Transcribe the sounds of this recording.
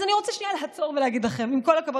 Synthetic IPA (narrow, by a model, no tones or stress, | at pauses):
zaniʁot͡saʃnialeɦat͡so̞ʁveleaɡid̪laχemimko̞lakabo